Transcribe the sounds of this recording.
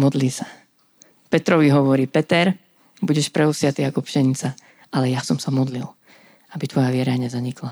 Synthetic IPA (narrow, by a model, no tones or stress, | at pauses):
mɔd̪liːsa | pɛt̪ɾɔʋiɦɔʋɔɾiːpɛt̪ɛɾ | buɟɛʃpɾɛusɪat̪iːakɔpʃɛɲit͡sa | ʔalɛjasɔmsamɔd̪lil | abit̪ʋɔjaʋɪɛɾaɲɛzaɲikla